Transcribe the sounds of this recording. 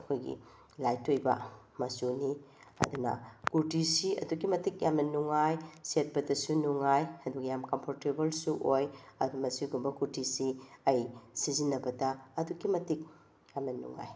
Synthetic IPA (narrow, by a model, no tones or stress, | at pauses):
ɐkʰojɡḭ | lajtːojbɐ̰ | mɐsuniɐ̰dunɐ̰kuɾtʰisiɐ̰duɡimɐtik̚jamnɐnuŋajset̚pɐdɐsunuŋajɐdukjamkompʰoɾtebɐlsuʔojɐdumɐsiɡumbɐkuɾtʰisiɐjsizinːɐbɐdɐːduɡimɐtik̚ | jamnɐnṵŋa̰j